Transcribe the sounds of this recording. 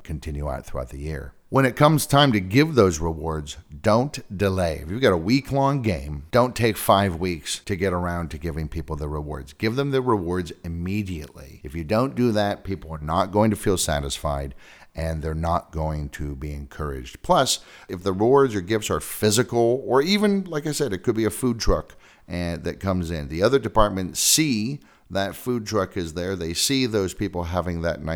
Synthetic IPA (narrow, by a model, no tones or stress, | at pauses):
kʰɨ̃n̩tʰɪ̃njʉa̰ʊt̪̚θɹua̰ʊt̪̚ðɨjɪ̰ɹ | wə̃ñɨt̚kʰʌ̃mz̥tʰãɪ̃mtɨɡɪvðoʊzɹɪwɔɹdzdõʊ̃nd̥ɨleɪɨ̰fjɨɡɑɾəwikʰlɔ̃ŋɡẽɪ̃md̥õʊ̃ntʰeɪkfaɪvwikstʰɨɡɛɾə˞ãʊ̃ntʰɨɡɪvɪ̃ŋpʰipl̩ˠðəɹɪwɔ̰ɹdzɡɪvðɨ̃mðəɹəwɔɹdzɨmiɾiɨʔˡlḭɨfjɨdõʊ̃nd̥ɨðɨt̚pʰipl̩ˠə˞nə̰t̚ɡ̥oʊɪ̃ŋtʰɨfilˠsæ̰ɾɨsfa̰ɪɾ | ɨ̃nðə˞nət̚ɡ̥oʊɪ̃ŋtʰɨbiɨ̰̃nkʰɜ˞ɪ̰d͡ʒdpʰl̥ʌsɨfðəɹəwɔɹdzə˞ɡɪftsə˞fɪzɨkl̩ˠə˞ivɨ̃nlaɪkaɪsɛɾɨt̚kʰɨd̚biɨfud̚tʰɹ̥ʌk | ʔɨðɨt̚kʰʌ̃mzɪ̃nðiʌðə˞dɨpɑɹt̚mɨ̃ntsi | ðɨtfud̚tʰɹ̥ʌkɨzðə˞ðeɪsiðoʊz̥pʰipl̩ˠɦævɪ̃ŋðɨtⁿnaɪ